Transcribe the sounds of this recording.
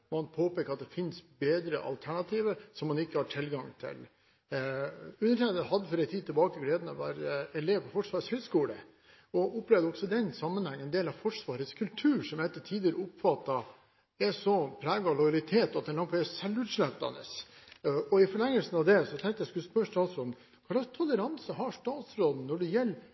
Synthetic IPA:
mɑnpʰoːpeːkəɾɑt̪̚d̪ɛfɪnsbeːd̪ɾə̰ʔɑ̰lt̪ʰæɳɑt̪ʰiːʋəɾsɔmːɑnɪkːəhɑʈʰɪlɡɑŋt̪ʰɪ̰l | ʉnːəʈʰɛnəhɑd̪ːəfɔɾɛɪt̪ʰːiːd̪̚t̪ɪɛbɑːkəɡleːd̪nɑʋæ̰ːɾəɛleːʋpɔfɔʂʋɑːɾəshœskuːlə̰ | ɔʔʊplɛʋd̪əɔksɔd̪ɛnsɑmːənhæŋːɛnd̪eːlɑʋfɔʂʋɑːɾət̪skʰʉlt̪ʰʉːɾʂɔmɛt̪ːəʈʰiːd̪ɪəɾəʊpːfɑt̪ːɑ | ɛsɔpʰɾæːɡɑlɔjlɪt̪ʰeːt̪ɑt̪̚d̪ɛnɑŋfʰɔɛsɛlːʉːt̪ʂlæt̪ːɑ̰nə̰s | ɔɪfɔɭɛŋːəlsn̩ɑʋd̪ɛsɔt̪ʰɛ̃ŋkt̪əjæɪskʉlspœʂt̪ɑːt̪sɾoːd̪n̩ | kʰɑɑt̪ʰɔləɾɑnsəɦɑʂʈ̪ɑːt̪sɾoːd̪n̩nɔɖɛjɛlː

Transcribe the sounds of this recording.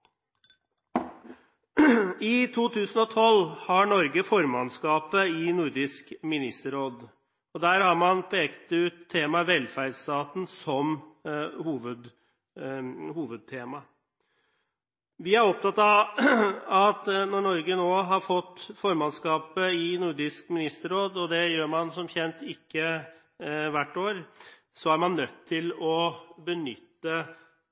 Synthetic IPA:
ɪt̪ʰuːt̪ʰʉːsən̩ɔt̪ʰɔlhɑɳɔɾɡəfɔɾmɑnskɑːpəɪnʊɾd̪ɪskmɪnɪst̪əɾoːd̪ | ɔd̪æːɾhɑɾmɑnpʰeːkt̪ʉːt̪ʰːeːmɑʋɛlːfæɖst̪ɑːt̪n̩sɔm | huːʋəd̪ | huːʋəd̪̚t̪ʰeːmɑ | ʋɪæɾɔp̚t̪ɑt̪ːɑ | ɑt̪nɔɳɔɾɡənoːɦɑɾfɔt̪ːfɔɾmɑnskɑːpəɪnʊɖɪskmɪnɪst̪əɾoːd̪ɔd̪ɛjøːɾmɑnsɔmçɛnt̪ɪkːə | ʋæʈːoːɾ | sɔæɾmɑnːœt̪ʰːɪlɔbənʏt̪ːə

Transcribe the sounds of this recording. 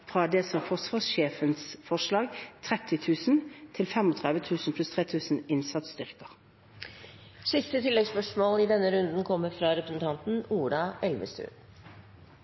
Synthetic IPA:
fʁɑd̪ɛːsɔfɔsʋɑːsʃeːfənsfɔʂlɑːɡt̪ʰʁɛt̪ʰːɪt̪ʰʉːsn̩t̪ʰɪlfɛmɔt̪ʰʁɛd̪ʋət̪ʰʉːsnpʰlʉst̪ʰʁeːt̪ʰʉːsn̩ɪnsɑt̪st̪ʏʁkəʁ | sɪst̪ət̪ʰɪlːɛɡspœʂmoːlɪd̪ɛnːəɾʉnd̪n̩kʰɔmːəɾfɾɑɾɛpɾəsn̩t̪ʰɑnt̪n̩uːɖɑʔɛlʋə̰st̪ʰʉ̰ːn

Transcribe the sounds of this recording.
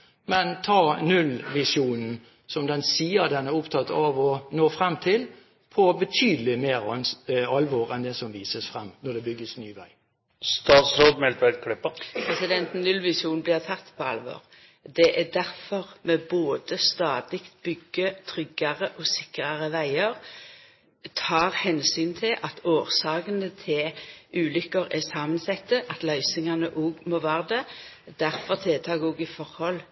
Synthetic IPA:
mɛnt̪ʰɑːnʉlʋɪsjuːnn̩ | sɔmd̪ɛnsiːəʁd̪ɛnæʁʊpt̪ʰɑt̪ːɑʋɔnoːfʁɛmt̪ʰɪl | pʰɔbət̪ʰyːd̪əl̩ɪmeːɾɔnɑlʋoːɾɛnd̪ɛsɔmʋiːsəsfʁɛmːnɔd̪ɛbʏɡːəsnyːʋæɪ | st̪ɑːt̪sɾoːd̪mɛlt̪ʋæt̪kʰlɪpːəpʰɾɛsɪd̪ɛnt̪n̩nʉlʋɪsjuːn̩blɪʁt̪ʰɑt̪ːpʰɔɑ̰lʋo̰ːʁ | d̪ɛʔæd̪æʁfɔʁmɛboːd̪əst̪ɑːd̪lɪkt̪bʏɡːət̪ʰʁʏɡɑʁəʔɔsɪkʁɑʁəʋæɪəʁ | t̪ʰɑːʁhɛnsyːnt̪ʰɪlʔɑt̪oːʁsɑːɡənət̪ʰɪlʉːlʏkːəʁɛsɑːmənsɛt̪ːəʔɑt̪lœʏsɪŋɑnəʔoːɡmoːʋæːʁəd̪ɛ | d̪̥æʁfɔʁt̪ʰelt̪ʰɑːɡɔːɡɪfɔʁhɔl

